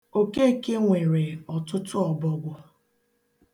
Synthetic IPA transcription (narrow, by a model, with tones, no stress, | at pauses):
o˨ke˦˨ke˦ŋʷe˨ɾe˨ɔ˨tʊ˦tʊ˦ɔ˨bɔ˦ɡʷʊ˨